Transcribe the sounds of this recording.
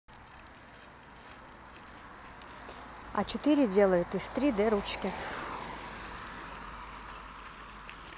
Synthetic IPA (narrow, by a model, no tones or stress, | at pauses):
a̰t͡ʃʰɪt̪ɨɾʲɪdʲe̞lˠəjut̪ist̪ɾʲid̪ɛɾut͡ʃkʲɪ